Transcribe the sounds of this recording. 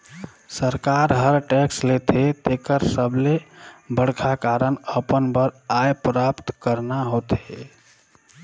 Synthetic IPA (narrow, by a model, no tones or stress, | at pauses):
səɾkaɾɦəɾʈɛkslet̪ʰet̪ekəɾsəblebəɽ̤kʰakaɾənəpənbəɾajpɾapt̪kəɾnaɦot̪e